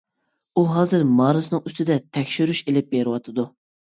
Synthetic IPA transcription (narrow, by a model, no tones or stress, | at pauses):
uɦɑːzɨɾmɑːɾɨsɨnɨŋyst̪ʰɪd̪ɛt̪ʰɛkʲʃyɾyʃelɪp̚beɾɪwɑt̪ʰɨd̪u